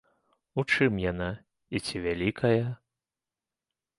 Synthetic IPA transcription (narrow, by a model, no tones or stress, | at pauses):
ut͡ʂɨmjana | it͡sʲivʲalʲikʰɐjɐ